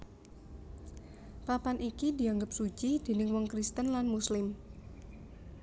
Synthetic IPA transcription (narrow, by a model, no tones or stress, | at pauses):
papanʔikidi̤aŋɡəp̚su̥t͡ʃid̥e̤nɪŋwɔŋkɾist̪ənlanmuslɪm